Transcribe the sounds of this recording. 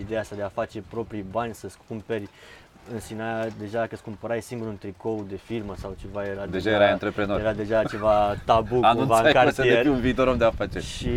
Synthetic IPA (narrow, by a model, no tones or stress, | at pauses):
id̪e̞jaast̪ad̪e̞afat͡ʃe̞pɾo̞pɾijbanʲsəskumpe̞rʲ | ɨnsinajad̪e̞ʒad̪akəskumpəɾajsiŋɡuɾunt̪ɾiko̞wd̪e̞firməsawt͡ʃe̞vajeɾad̪eʒajeɾajannt̪ɾepɾe̞noɾjeɾad̪e̞ʒat͡ʃe̞vat̪abukank̪unvasɨajkat̪eieɾʲiunviːt̪o̞ɾomd̪eafat͡ʃeʃi